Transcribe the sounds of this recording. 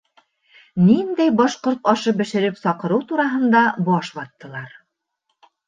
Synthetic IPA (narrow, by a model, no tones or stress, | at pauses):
nind̪æjbɑʃqoɾt̪ɑʃɤbɘ̆ʃɘ̆ɾɘpsɒqɤ̆ɾɤwt̪uɾɑɦɤ̆nd̪ɑbɑʃbɑt̪ːɤ̆lˠɑɾ